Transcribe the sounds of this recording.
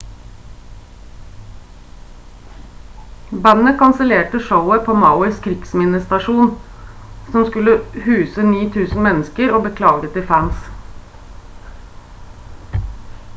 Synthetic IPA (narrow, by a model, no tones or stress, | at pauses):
bænəkʰɑnsəleːʈəʃəʊəpʰoːmɑʊɪskʰɾɪɡ̥smɪnəst̪ɑʃuːn | sɔmskʉləhʉːsəniːt̪ʰʉːsn̩mɛnəskəɾoːbəkʰlɑːɡət̪ɪfæns